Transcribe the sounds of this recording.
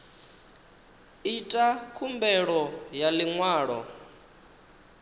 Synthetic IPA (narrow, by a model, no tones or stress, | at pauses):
itʼakʰumbɛɺɔjaliŋwaːɺɔ̰